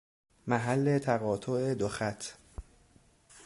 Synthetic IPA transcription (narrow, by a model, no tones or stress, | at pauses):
mæɦælːet̪ʰæɣɒːt̪ʰoʔed̪oxæt̪ʰ